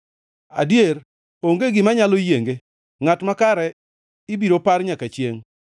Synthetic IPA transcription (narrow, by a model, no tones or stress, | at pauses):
a̰djeɾ | oŋɡeɡɪmaɲalojeŋɡe | ŋatmakaɾɛ | ɪbiɾopaɾɲakat͡ʃjeŋ